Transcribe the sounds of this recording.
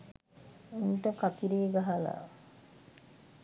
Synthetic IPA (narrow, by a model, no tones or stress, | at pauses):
unʈəkat̪iɾeːɡaɦala̰